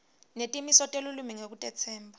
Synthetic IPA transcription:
netʼimisɔtʼelulumiŋek̬utʼɛt͡sʰɛːmbʱa

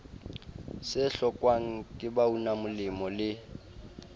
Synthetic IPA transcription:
sɪɬɔkʼwaŋ̩kʼɪbaunamʊlɪmɔlɪ

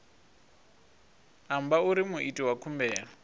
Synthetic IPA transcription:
ambauɾimuʔitʼiwakʰumbɛːlɔ

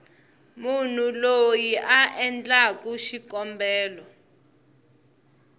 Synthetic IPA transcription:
mun̤ulojiʔaʔɛnt͡ɬʼak̬ʼuʃikɔmbɛːlɔ

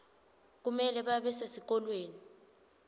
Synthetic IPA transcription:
k̬umɛlɛɓaɓɛsasik̬ɔlweːni

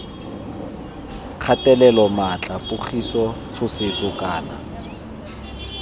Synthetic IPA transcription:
k͡xʰatʼɛlɛlɔmat͡ɬʼapʼʊχisɔfʊsɪt͡sʼʊkʼaːna̰

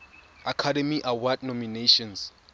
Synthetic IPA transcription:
akʰadɛmiʔawadnɔmineʃɔ̃ns

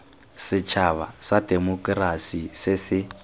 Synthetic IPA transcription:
sɪt͡ʃʰaβasadɛmɔkʼrasisɪsɪ

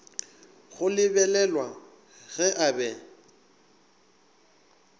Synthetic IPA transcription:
ɣʊlɪbɛlɛlwa | ɣɛʔabɛ

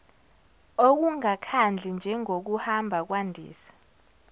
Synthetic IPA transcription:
ok̬uŋakʰand͡ɮʱind͡ʒʱɛŋok̬uhambʱak̬wandʱḭːsḁ

